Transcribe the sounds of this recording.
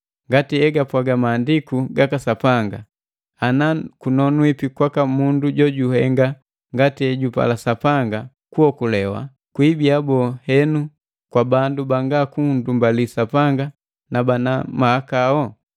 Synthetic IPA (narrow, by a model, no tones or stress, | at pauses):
ŋɡatiɛɡapwaɡamaːndikuɡakasapaŋɡa | anakunɔnwipikwakamunduɟɔɟuhɛŋɡa | ŋɡatiɛɟupa̰lasapaŋɡa | kuɔkulɛwa̰ | kwibiabɔhɛnu | kwabandubaŋɡakundumbalisapaŋɡa | nabanamahakaɔ